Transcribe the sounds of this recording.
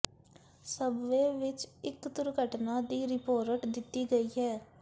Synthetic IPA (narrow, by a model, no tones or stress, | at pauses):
səbʋeːʋɪt͡ʃɪkd̪ʊɾɡʱəʈnaːd̪iːɾɪpoːɾəʈd̪ɪt̪ːiːɡəiːɦɛː